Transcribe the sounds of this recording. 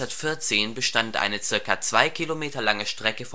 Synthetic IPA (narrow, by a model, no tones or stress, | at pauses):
aɐtfɪɐt͡seːnbəʃtantʔa̰ɪnət͡sɪɐkat͡sv̥aɪkʰilomeːtɐlaŋəʃtʁ̥ɛkəf